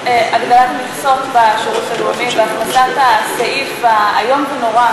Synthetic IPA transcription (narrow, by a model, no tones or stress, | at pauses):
ʔaɡd̪alat̪miχso̞tbaʃiʁut̪aluamibeaχnasatasaifa̰ːjo̞mvenoʁa